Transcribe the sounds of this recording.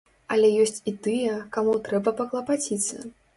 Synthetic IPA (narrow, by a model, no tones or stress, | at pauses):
ɐlʲɛjɔsʲt͡sʲit̪ɨjɛkamut̪ɾɛbɐpɐklˠɐpat͡sʲit̪sːɐ̰